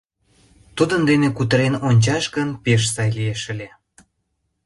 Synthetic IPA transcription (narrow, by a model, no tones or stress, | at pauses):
t̪ud̪ənd̪enekut̪əɾenonʲt͡ɕɑʃɡənpeʃsɑjlieʃə̆lʲe